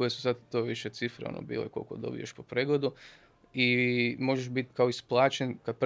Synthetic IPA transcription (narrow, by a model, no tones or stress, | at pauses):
kojesu̥sad̪t̪oʋiʃet̪sifɾḛo̰nʔo̰bḭlḛkolkod̪o̞̰bḭjeʃpopɾeːɡled̪u | imo̞ʒeʃbit̪kaoisplˠaːt͡ʃenkad̪̚p